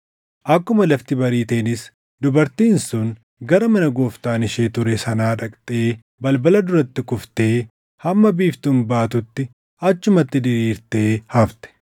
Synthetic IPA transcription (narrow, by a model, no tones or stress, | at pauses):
ʔɐkːʊmɐlɐft̪ɪbɐɾiːt̪eːnɪs | d̪ʊbɐɾt̪iːnsʊn | ɡɐɾɐmɐnɐɡoːft̪aːnɪʃeːt̪ʊɾɛsɐnaːᶑɐkʼt̪ʼe̞ː | bɐlbɐlɐd̪ʊɾɐt̪ːɪkʊft̪e̞ː | hɐmːɐbiːft̪ʊmbaːt̪ʊt̪ːɪ | ɐt͡ʃːʊmɐt̪ːɪd̪ɪɾiːɾt̪e̞ːhɐft̪ɛ̥